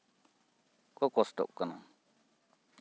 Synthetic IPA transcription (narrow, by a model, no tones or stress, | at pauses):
kokost̪o̰ʔkːanã